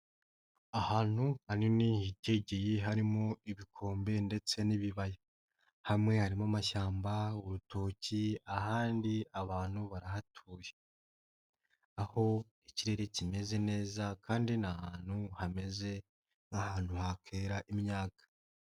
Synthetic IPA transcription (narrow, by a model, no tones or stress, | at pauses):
ahaːn̥huhaninihiɟeɟijiɦaɾimo̞iβikʰo̞ːmbe̞nde̞t͡se̞niβiβaje | hamŋe̞haɾimamaʃaːmbauɾutʰo̞ːciahaːndiaβaːn̥huβaɾaɦatʰuːje | aho̞ | iciɾe̞ɾe̞cime̞ze̞ne̞ːzakʰaːndinahaːn̥huhame̞ze̞ | ŋahaːn̥huhakʰe̞ːɾaʔimɲaːkḁ